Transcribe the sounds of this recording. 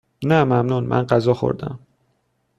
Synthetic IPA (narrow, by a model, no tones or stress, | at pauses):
næːmæmnunmʔæ̰nɢæzɒːxo̰ɾd̪æ̰m